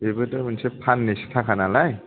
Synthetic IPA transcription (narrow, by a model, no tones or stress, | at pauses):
ebɯtamɯnsepʰanːesi̥tʰakʰanalaj